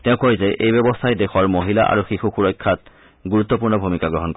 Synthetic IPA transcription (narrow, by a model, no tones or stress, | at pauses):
tɛ̃ʊ̃kojzeʔejbɔbɔstʰajdexɔɹmoɦila̰ʔa̰ɹuxixuxuɹɔjkʰːat | ɡuɹut̪ːɔp̬uɹnɔbʱumikaɡɹɔɦɔnk